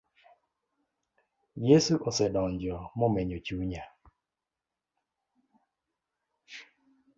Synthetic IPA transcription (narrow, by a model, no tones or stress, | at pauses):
jesuʔɔsɛdɔɲd͡ʒɔmɔmɛɲot͡ʃuɲa